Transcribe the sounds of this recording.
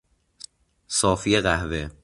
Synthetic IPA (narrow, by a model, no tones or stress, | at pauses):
sɒːfijeɣæhve